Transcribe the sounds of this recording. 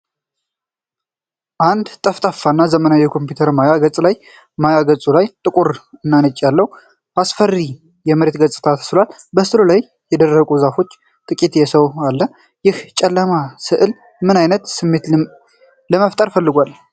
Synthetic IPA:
ʔand̪t̪ʼəft̪ʼəfanːazəmənajɛkʰo̞mpjut̪ʰəɾmajaɡət͡sʼlaj | majaɡət͡sʼulajt̪ʼɨkʼuɾɨnːanət͡ʃʼːjalːəw | basfərːi | jɛməɾet̪ɡət͡sʼɨ̥t̪ʰat̪ʰə̥sɨlwal | bəsɨlulaj | jɛd̪ərːəkʼuzafo̞t͡ʃː | t̪ʼɨkʼit̪jɛsəwalːə | jɪht͡ʃʼɛlːəmasɨʔɨl | mɨnajnət̪sɨmːe̞t̪ | ləməft̪ʼəɾfəlːɨɡʷal

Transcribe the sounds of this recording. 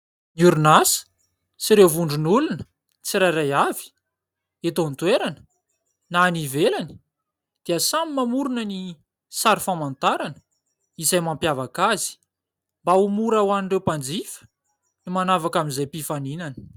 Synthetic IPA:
nuɾunasə̥ | siɾewvuɳɖ͡ʐunulunə̥ | t͡siɾaɾajavi̥ | et̪ont̪weɾanə̥ | naːnivelanə | d̪̥iəsamimamuɾunəni | saɾifamant̪aɾanə̥ | izajmampjavakazi̥ | mbaumuɾawaniɳrewpand͡zifə̥ | nimanavakamizajpifaninanə̥

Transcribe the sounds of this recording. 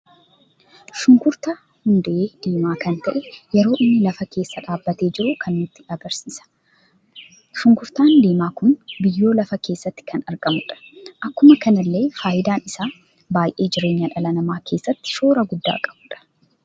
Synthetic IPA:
ʃʊŋkʊɾt̪ɐ | hʊnd̪ɐʔeːd̪̥iːmaːkɐnt̪ɐʔɛjɛɾo̞ːʔɪnːɪlɐfɐkʰe̞ːsːɐᶑaːbːɐt̪e̞ːd͡ʒɪɾukʰɐnːʊt̪ːɪɐɡɐɾsiːsɐ̥ | ʃʊŋkʊɾt̪aːnd̪iːmaːkʊnbɪjːo̞ːlɐfɐkʰe̞ːsːɐt̪ːɪ̥kʰɐnɐɾɡɐmʊᶑɐ̥ʔɐkːʊmɐkɐnɐlːe̞ːfaːʔɪd̪aːnɪsaː | baːjʔe̞ːd͡ʒɪɾe̞ːɲːɐᶑɐlɐnɐmaːke̞ːsːɐt̪ːɪ̥ʃo̞ːɾɐɡʊd̪ːa̰ːkʼɐbuːᶑɐ̥

